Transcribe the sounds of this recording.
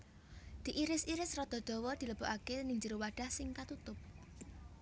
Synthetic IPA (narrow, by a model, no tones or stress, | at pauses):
d̪̥i̤ʔiɾɪsiɾɪsrɔd̪̥ɔ̤d̪̥ɔ̤wɔd̪̥i̤ləb̥o̤ʔakenɪŋd͡ʒiɾuwaɖ̥ahsɪŋkat̪ut̪ʊp̚